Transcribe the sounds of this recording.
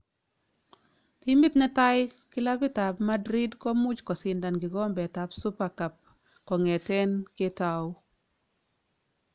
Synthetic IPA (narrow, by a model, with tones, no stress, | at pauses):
ti˦mbi˦t̪nɛ˦ta˦jkɪ˦la˦bi˦ta˨pma˦dɾi˦dkɔ˦mu˦t͡ʃkɔ˨sɪ˨nda˨nɡɪ˨ɡɔ˦mbɛ˨ta˦psu˦pa˨ka˨p̚ | kɔ˨ŋɛ˨tɛ˦nke˦ta˨ʊ˦